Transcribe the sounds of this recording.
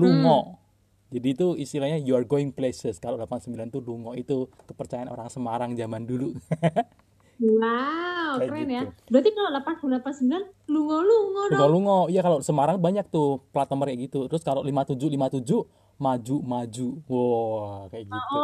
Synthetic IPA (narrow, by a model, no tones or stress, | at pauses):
luŋɔ | d͡ʒadiːt̪uist̪ilahɲajuarɡoɪŋplesəskalolapansəmbilant̪uluŋɔʔit̪uk̪əpərt͡ʃajano̰ɾaŋsəmaɾaŋd͡ʒamandulu | wawɾɛnjabəɾat̪ikalolapankulapansəmbilanluŋɔluŋɔisɔluŋɔijakalosəmaɾaŋbaɲak̚t̪uplat̪əmərjaɡit̪ut̪əɾʊskaloʔlimat̪ud͡ʒulimat̪ud͡ʒuʔ | mad͡ʒuʔmad͡ʒuʔwɔkajaɡiʔu